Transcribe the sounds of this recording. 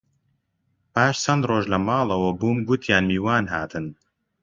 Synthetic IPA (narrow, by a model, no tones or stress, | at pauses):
paːʃsɐnd̪roːʒlɐmɑːlˠɐwɐbuːmɡut̪ʰjaːnmiːwaːnɦa̰ːt̪ʰɨn